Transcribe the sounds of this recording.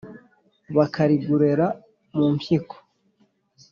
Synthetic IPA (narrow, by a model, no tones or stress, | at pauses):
βakaɾiɡuɾe̞ɾa | mumpjikʰo̥